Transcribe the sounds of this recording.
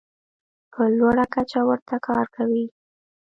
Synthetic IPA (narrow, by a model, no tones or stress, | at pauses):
pʰəlwaɽakat͡ʃawəɾt̪akʰɑɾkawi